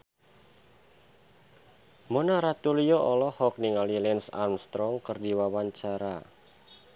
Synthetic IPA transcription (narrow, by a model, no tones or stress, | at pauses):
monaɾat̪ulijoʔɔlɔhɔk̚niŋalilɛnsa̰mst̪ɾɔŋkərdiwawaɲt͡ʃaɾa